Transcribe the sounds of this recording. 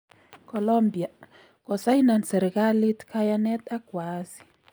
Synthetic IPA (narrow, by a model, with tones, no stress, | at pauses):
kɔ˨lɔ˦mbi˨a˨ | kɔ˨sa˦jina˨nsɛ˨ɾka˦li˦t̪kʰajanɛ˦t̪a˦kwasi̥